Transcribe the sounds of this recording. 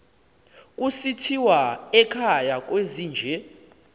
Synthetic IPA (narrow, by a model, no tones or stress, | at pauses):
k̬ʼusitʰiwaɛkʰajak̬ʼweziːnd͡ʒʱɛ